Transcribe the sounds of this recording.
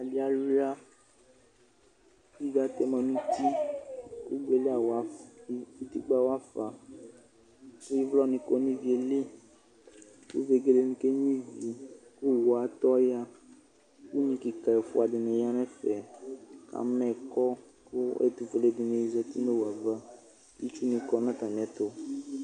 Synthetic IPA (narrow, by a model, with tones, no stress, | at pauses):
a˨li˦a˨lu˦la˦ | i˦ɡa˦t̪e˦mɛ̃˨nũ˦t̪i˦ku˦ɡ͡be˨le˦a˨wa˨˦ | i˦t̪i˦ɡ͡ba˨wa˦fa˨ | ku˦i˦vlɔ˦nĩ˨ko˦nĩ˦vi˨e˨le˦ | kṵ˦ve˨ɡe˦le˦nĩ˦ke˦ɲĩ˦vi˨ku˦wo˨a˨˦t̪ɔ˦ja˦ | ku˦ɲĩ˨ki˨ka˨e˨fo̰˨˦a˨di˨nẽ˨ja˦mɛ̃˦fɛ˨ka̰˨mɛ̃˦˨kɔ˦ | ku˦ḛ˨t̪u˨fe˨le˨˦di˨ne˨ji˨zɛ˨t̪i˦ne˦wa˨va˦ | ji˦t͡ʃu˦nĩ˨kɔ˦nã˦t̪a˨m̃˨ɛ˨t̪o˦